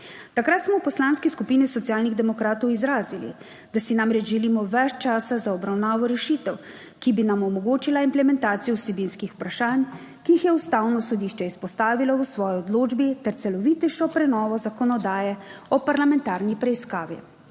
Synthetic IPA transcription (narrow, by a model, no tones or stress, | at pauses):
t̪akɾat̪smɔpɔslanskiskupiːnisɔt̪sijaːlniɣd̪ɛmɔkɾaːt̪ɔwizɾaːzilḭ | d̪̥asinamɾɛd͡ʒʒɛliːmɔʋɛt͡ʃt͡ʃaːsazaɔbɾawnaːʋɔɾɛʃit̪ɛw | kibinamɔmɔɡoːt͡ʃilaimplɛmɛnt̪aːt̪sijɔwsɛbinskixu̥pɾaʃaːn | kiːxjɛust̪aːwnɔsɔd̪iʃt͡ʃɛispɔst̪aːʋilɔwsʋɔːjiɔd̪loːd͡ʒbit̪ɛɾt̪sɛlɔʋiːt̪ɛʃɔpɾɛnɔːʋɔzakɔnɔd̪aːjɛɔpaɾlamɛ̃nt̪aɾnipɾɛiskaːʋḭ